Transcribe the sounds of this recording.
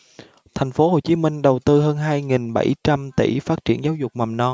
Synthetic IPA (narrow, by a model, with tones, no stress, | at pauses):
t̪ʰɛ˨˩jŋ̟fo˨˦ho˨˩t͡ɕi˨˦mï˧ŋ̟ɗə˨˩wt̪ɨ˧ɦəː˧nɦaː˧jŋi˨˩nɓə̰˧˩jt͡ɕa˧mt̪ḭ˧˩faː˦˥t̚t͡ɕi˧˨ənzaː˨˦wzʊ˨˩k͡p̚ma˨˩mnɔ˧